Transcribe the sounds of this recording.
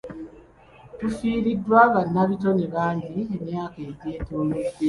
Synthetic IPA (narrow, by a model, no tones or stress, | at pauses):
tufiːɾidːwaːβanːaβitoneβaːɲɟiemjaːkeɟeːtuːmude